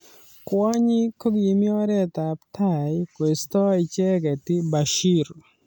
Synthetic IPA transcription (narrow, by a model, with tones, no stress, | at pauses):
kwa˦ɲɪ˦ko˦ɡi˨mi˦ɔ˦ɾɛ˦t̪a˨ptʰa˦˨jkwe˨st̪ɔ˦i˨t͡ʃɛ˦kɛ˨tɪ˦ba˨ʃi˦r